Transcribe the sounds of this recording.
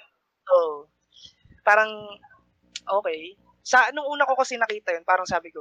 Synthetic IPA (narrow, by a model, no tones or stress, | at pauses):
ʔoːʔo | paːɾɐŋ | ʔoːkɛj | sɐnʊŋʔuːnɐkokɐsɪnɐkiːt̪ɐjonpaːɾɐŋsaːbɪko